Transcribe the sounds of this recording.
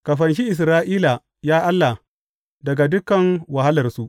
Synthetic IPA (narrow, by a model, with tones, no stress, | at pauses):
ka˨ɸɐ˨nʃ̬i˦ʔɪ˨s̬ɾaː˦ʔiː˦la˨ | jaː˦ʔa˦lːa˨ | dɐ˨ɡa˨dʊ˦kɐ˨ŋwa˨ha˦lɐ˨rsu˦ʔ